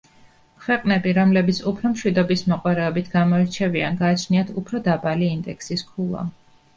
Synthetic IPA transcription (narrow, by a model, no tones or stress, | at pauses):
kʰwɛqʼnɛbiɾɔmlɛbit̪sʰupʰɾɔmʃwid̪ɔbismɔqʼwaɾɛɔbit̪ʰɡamɔɛɾt͡ʃʰɛvia̰nɡaːt͡ʃʰniat̪ʰupʰɾɔd̪abaliːnd̪ɛksiskʰulˠa̰